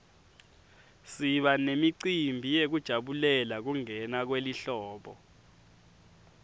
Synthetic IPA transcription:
siɓanemiǀimbʱijek̬ud̥ʒ̥ʱaɓulɛlak̬uŋɛnak̬weliɬɔːɓɔ

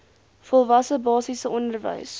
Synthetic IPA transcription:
fɔlˠvɐsəbɑːsisəɔndərvə̰js

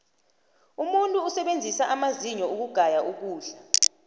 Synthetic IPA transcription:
umuntʼuːsɛɓend͡zʱisaʔamaziɲɔuk̬uɡ̥ʱajaʔuk̬uːɮa

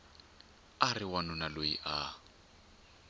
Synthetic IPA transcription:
arɪwanʊnalojiʔa

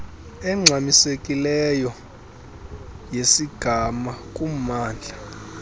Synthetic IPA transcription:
ɛŋ͡ǀʱamisekʼilɛjɔ | jesiɡ̥ʱamakʼumaːnd͡ɮʱa

